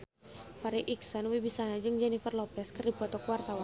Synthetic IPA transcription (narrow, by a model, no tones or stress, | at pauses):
faɾiʔiksɔnwibisanad͡ʒɨŋd͡ʒɛnifərlɔpɛskərdibɔt̪ɔkəwart̪awan